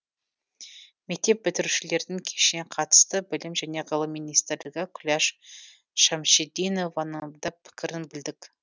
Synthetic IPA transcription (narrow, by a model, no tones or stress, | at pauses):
mek̚t̪e̞p̚bɪt̪ɪɾuʃɪle̞ɾd̪ɪŋkʲʰeʃneqʰɑt̪ə̥st̪əbɪlɪmʒæne̞ʁɑlˠəmijnijst̪ɪɾlɪɡʲɪkʲʰʊlʲɑʃ | ʃɑmʃed̪ino̞vanəd̪ɑpʰːɪ̥kʲɪɾɪnbɪld̪ɪk